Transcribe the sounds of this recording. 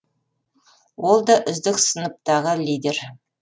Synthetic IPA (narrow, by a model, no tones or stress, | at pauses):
wo̞lˠd̪ɑʔʏzd̪ɪksənəp̚t̪ɑʁəlijd̪e̞ɾ